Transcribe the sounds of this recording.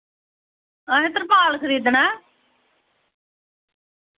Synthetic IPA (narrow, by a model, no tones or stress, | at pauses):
aẽt̪əɾpaːlkʰəɾiːd̪naː